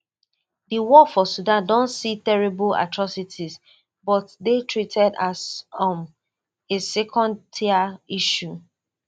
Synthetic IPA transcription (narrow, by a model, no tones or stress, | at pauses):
diwɔfɔsudãndɔ̃ntsitɛɹibola̰tɹɔsitʰiz | bɔtdetʰɹitʰɛdasɔ̃m | esɛkʰɔ̃ndiaiʃu